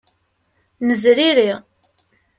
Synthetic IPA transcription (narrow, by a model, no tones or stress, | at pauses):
nəzɾiɾiʁ